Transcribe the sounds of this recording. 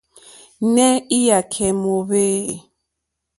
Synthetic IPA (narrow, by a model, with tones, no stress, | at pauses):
nɛ˦i˦ja˨kʰɛ˨mo˨βeː˦˨